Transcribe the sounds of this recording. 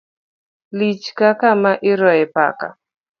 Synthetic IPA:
lit͡ʃkakamaʔɪɾɔɛpa̰ka̰

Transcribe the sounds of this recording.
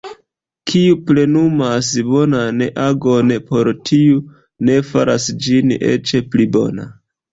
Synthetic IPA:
kʰiuple̞numasbo̞nanʔaɡonpo̞ɾtʰiu | ne̞faɾasd͡ʒinḛt͡ʃeplibo̞̰na̰

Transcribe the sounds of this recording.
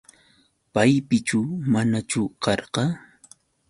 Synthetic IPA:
pajpɪt͡ʃʊmanat͡ʃʊkɑɾɢɑ

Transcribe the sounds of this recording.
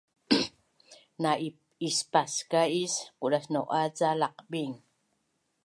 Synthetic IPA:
nai | ispaskaiskuʔɾasnoʔat͡salaqbiŋ

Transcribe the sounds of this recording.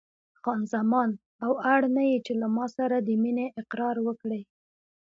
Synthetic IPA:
xɑnzamɑn | awaɽnajit͡ʃelamɑsaɾad̪əmineʔɪqɾɑɾwəkɽe

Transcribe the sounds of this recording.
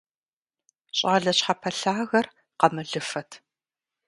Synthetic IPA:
ɕʼaːɮɐɕħapʰɐɬaːɣɐr | qɐmɨɮɨfɐtʰ

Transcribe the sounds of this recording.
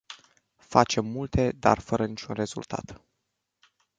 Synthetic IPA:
fat͡ʃe̞mːult̪e̞d̪a̰rfəɾənit͡ʃʲunre̞zṵlt̪ʰa̰t̪

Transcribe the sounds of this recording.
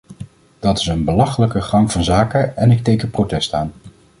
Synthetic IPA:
d̥ɑtɪ̥sənbəlɑχələkəχɑŋv̥ɑnzaːkəɛnɪktejkəprotɛstaːn

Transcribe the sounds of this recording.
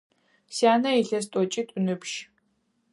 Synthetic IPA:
saːnɐɛɬɐs̬tʼɔt͡ʃʼitʷʼʊnɨpʃ

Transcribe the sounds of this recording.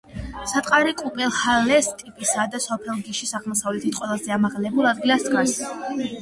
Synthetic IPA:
sat̪ʼqʼaɾikʼupʼɛlˠhalɛst̪ʼipʼisad̪asɔpʰɛlˠɡiʃisaʁˠmɔsavlɛt̪ʰit̪ʼqʼwɛlˠazɛamaʁlɛbulˠad̪ɡilˠaskʼas

